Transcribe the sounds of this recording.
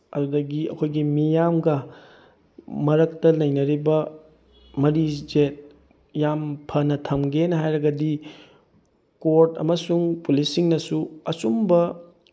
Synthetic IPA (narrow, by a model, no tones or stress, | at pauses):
ɐ̰dudɐɡiɐ̰kʰojɡimijamɡɐ | mɐɾɐk̚tɐlɐjnɐɾibɐ | mɐɾid͡ʒet̚ | jampʰɐnɐtʰɐmɡenɦajɾɐɡɐdi | koɾtɐ̰mɐsuŋpulisiŋnɐsuɐsumbɐ